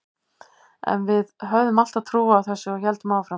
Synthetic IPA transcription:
ɛ̰nvɪðɦœɣðʏmal̥t̪aðt̪ʰɾuːaːwθɛsːɪɔçɛlt̪ʏmaːwfɾa

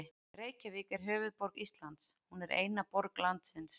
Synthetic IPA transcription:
reːjcaviːkɛɾ̥ɦœːvʏðpɔɾkist̪lant̪shunɛɾḛːjnapɔɾklant̪sɪns

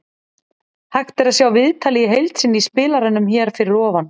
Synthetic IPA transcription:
haxt̪ɛɾaðsjaːwvɪðt̪ʰaːlijɪɦejlt̪sɪnːispɪːlaɾɪnːʏmçɛːɾ̥fɪɾɪɾɔːvan

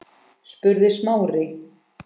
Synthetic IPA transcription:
spʏɾðɪsmaːwrɪ

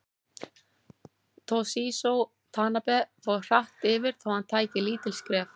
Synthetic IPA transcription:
t̪ʰosisow | t̪ʰaːnapɛθɔr̥aht̪ɪːvɪɾ̥θawhant̪ʰaːjcɪliːt̪ɪlskɾɛːf

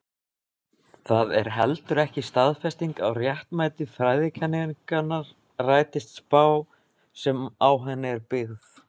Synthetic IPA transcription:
θaðɛ̰ɾ̥ɦɛlt̪ʏɾɛhcɪst̪aðfɛst̪iŋkawrjaht̪majt̪ɪfɾajðɪcʰanːɪŋkanːaɾ | raːjt̪ɪst̪spaːw | sɛmawɦɛnːɪɛɾpɪɣð

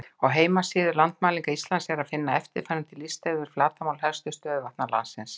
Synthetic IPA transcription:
ɔɣɦeːjmasiːðʏlant̪maːliŋkaist̪lansjɛɾaðfɪnːaɛft̪ɪ̰ɾfaɾɪmt̪ʰɪlːist̪ɛvɪɾ̥flaːt̪amaːwlɦɛlst̪ʏst̪œːðʏvaht̪nala̰nsɪns

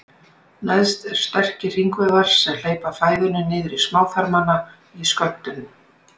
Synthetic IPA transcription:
najðst̪ɛɾ̥st̪ɛr̥cɪr̥iŋkvɛðaɾ̥sɛml̥eːjpafaːjvɪnʏnɪːðɪɾismaːwθaɾmana | iskœlt̪ʏnʏm

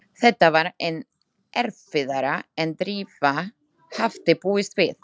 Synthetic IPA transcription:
θɛt̪ːavaɾen | ɛɾfɪðaɾaɛnt̪ɾiːva | haft̪ɪpuːɪst̪vɪθ

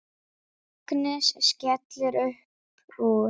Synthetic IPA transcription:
knɪʃʃcɛt̪lɪɾœhp | u

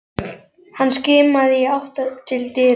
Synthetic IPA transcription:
hanːscɪːmaðɪiawht̪at̪ʰɪlt̪ɪː

